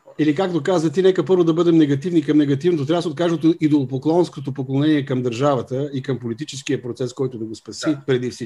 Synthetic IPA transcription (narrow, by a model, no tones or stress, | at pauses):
ɛlikak̚t̪okazvət̪inɛkəpɤɾvod̪ɐbɤd̪ɛmnɛɡɐt̪ivnikɐmnɛɡɐt̪ivnot̪ot̪ɾʲavsot̪̚kaʒot̪oid̪olˠopoklˠɔnskot̪opoklˠonɛniɛkɐmd̪ɐɾʒavət̪əikɐmpolit̪it͡ʃɛskiəpɾot̪sɛskɔjt̪ʊd̪ɐɡospɐsipɾɛd̪ifsi